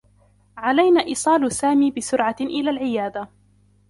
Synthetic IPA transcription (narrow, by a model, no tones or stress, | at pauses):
ʕalajnaːʔiːsˤɑːlʊsaːmiːbɪsʊɾʕaʔɪlaːlʕɪjaːd̪a